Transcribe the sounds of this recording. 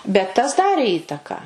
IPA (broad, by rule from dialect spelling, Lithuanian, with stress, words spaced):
bʲɛt tɐs ˈdɑːrʲeː ˈiːtɐkɐ